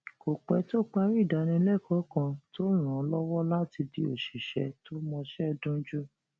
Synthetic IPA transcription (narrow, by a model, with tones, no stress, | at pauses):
ko˨k͡pɛ˨˧to˦k͡pa˦˧ɾi˦˨da˨˧nĩ˧˦lɛ˦˨kʰɔ˨˦kã˧to˦ɾ̃ã˨ɔ˧˦lɔ˦wɔ˦la˦ti˧di˧o˨ʃi˨ʃɛ˧˦to˦mɔ̃˧ʃɛ˦˧dũ˦d͡ʒu˦